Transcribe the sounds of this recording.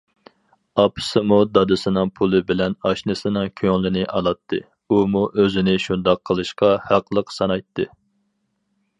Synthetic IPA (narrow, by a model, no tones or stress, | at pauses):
ɑpʰɨ̥sɨmud̪ɑd̪ɨsɨnɨŋpʰulˠɨbɪlɛnɑʃnɨsɨnɨŋkʲʰøŋlˠɪnɪʔɑlˠɑt̪ʰːɨ | umuʔøzɪnɪʃund̪ɑqʰːəlˠɨʃqɑhæqʰlˠəqsɑnɑjt̪ʰːɨ